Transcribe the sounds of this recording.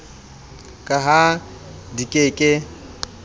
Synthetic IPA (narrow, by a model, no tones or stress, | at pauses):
kʼaɦa | dikʼeːkʼɪ